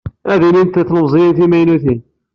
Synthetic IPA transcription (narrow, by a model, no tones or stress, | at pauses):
æðinint̪əθnəmzˤjənθimæjnuθin